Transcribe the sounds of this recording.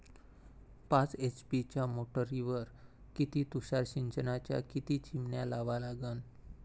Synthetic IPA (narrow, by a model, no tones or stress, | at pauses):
pãt͡set͡ɕpit͡ɕjamoʈəɾiʋəɾ | kit̪iːt̪uɕaɾɕiɲt͡ɕənat͡ɕja̰kit̪it͡ɕimɳjalaʋalaɡən